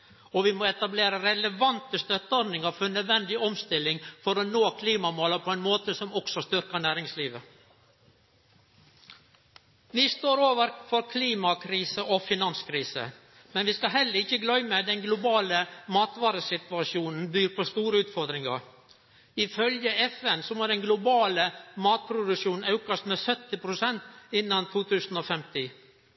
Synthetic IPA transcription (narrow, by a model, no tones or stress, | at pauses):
ɔʋɪmɔɛt̪ɑbleːɾəɾɛləʋɑnt̪əst̪œt̪ːəɔɾnɪŋɑɾfœnœd̪ʋɛnd̪ɪɔmst̪ɪlːɪŋfɔɾɔnoːkʰliːmɑmoːləpʰɔɛɪnmoːt̪əsɔmɔksɔst̪ʏɾkəɳæːɾɪŋsliːʋə | ʋɪst̪oːɾoːʋəɾfɔɾkʰliːmɑkʰɾiːsəʔɔfɪnɑnskʰɾiːsə̰ | mɛnʋɪskɑɦɛlːəɾɪçːəɡlœʏməd̪ɛnɡlʊbɑːləmɑːt̪ʋɑːɾəsɪt̪ʉɑʃjuːnn̩byːɾpʰɔst̪uːɾəʉːt̪fɔɾd̪ɾɪŋɑ̰ɾ | ɪfœljəɛfɛnsɔmoːɖ̪ɛnɡlʊbɑːləmɑːt̪̚pʰɾʊd̪ʉʃuːn̩ɑʉkɑst̪meːsœt̪ːɪpʰɾʊsɛnt̪ɪnːɑnt̪ʰuːt̪ʰʉːsn̩ɔːfɛmt̪ɪ